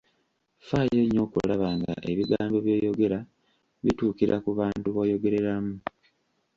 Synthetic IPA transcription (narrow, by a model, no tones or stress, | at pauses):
faje̞ːɲːo̞ːkṵlaβaŋɡa̰ʔe̞βiɡaːmbo̞βjoːjo̞ɡe̞ɾa | βituːkiɾʔa̰kuβaːntuβoːjo̞ɡe̞ɾe̞ɾamu